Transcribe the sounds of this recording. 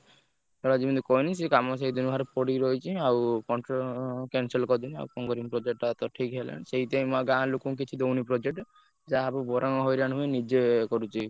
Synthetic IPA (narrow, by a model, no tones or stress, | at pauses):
t̪ɔɽad͡ʒibɔnd̪ukɔjnisikamɔs̬eid̪unʱaɾepɔɽiɾɔjt͡ʃʰiawkɔɳʈɾɔkenselkɔd̪ina̰wkɔŋɡɔɾiŋpɾɔd͡ʒek̚ʈat̪ɔʈʰikɦelḛñseɦit̪eĩmaɡãlukũk̬it͡ʃʰid̪ownipɾɔd͡ʒek̚ʈ | d͡ʒaapɔbɔɾʔaŋɔɦɔjɾañumenid͡ʒekɔɾut͡ʃʰi